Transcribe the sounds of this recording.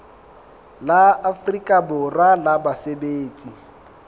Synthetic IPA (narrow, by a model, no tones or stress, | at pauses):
laafrikʼabʊralabasebeːt͡sʼi